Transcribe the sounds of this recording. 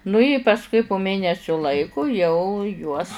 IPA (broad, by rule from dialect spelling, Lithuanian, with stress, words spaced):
nʊ ɪ pɐsˈkʊɪ pʊ ˈmʲeːnʲɛsʲʊ ˈlˠɐɪkʊ jɛʊ juɔs